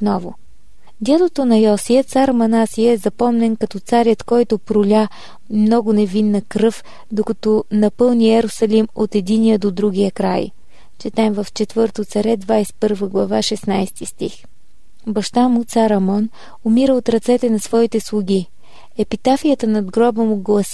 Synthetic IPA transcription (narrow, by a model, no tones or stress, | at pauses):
ot̪nɔvʊ | d̪ʲɛlˠot̪onɐjɔsijət̪saɾmɐnasijəɛzɐpɔmnɛnkɐt̪ɔt̪saɾjət̪kɔjt̪opɾʊlʲa | mnɔɡʊnɛvinːəkɾɤf | d̪okɐt̪ɔnɐpɤlˠniɛɾʊsɐlimot̪ɛd̪inijəd̪od̪ɾuɡ̟ʲijəkɾa̰j | t͡ʃɛt̪aɛmvɐft͡ʃɛt̪vɤɾt̪ot̪sɐɾɛd̪vajspɤɾvəɡlˠɐvaʃɛsnajst̪ist̪ix | bɐʃt̪amʊt̪saɾɐmɔn | ʊmiɾəot̪ɾɐt̪sɛt̪ɛnɐsvɔit̪ɛslˠʊɡʲi | ɛpit̪afijət̪ənɐd̪ɡɾɔbəmuɡlˠɐs